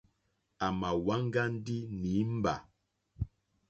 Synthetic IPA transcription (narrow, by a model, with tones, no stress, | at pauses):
a˨ma˨wa˦ŋ˦ɡa˦n̩˦di˦ni˨˦m̩˦ba̰˨